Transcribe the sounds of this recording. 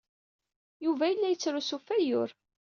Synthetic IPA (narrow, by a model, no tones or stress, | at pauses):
juvæjəlːæjət͡sːɾʊsufæjʊɾ